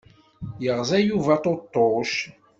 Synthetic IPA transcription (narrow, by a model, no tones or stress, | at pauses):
jəʁzæjuvæt̪ˤot̪ˤːoʃ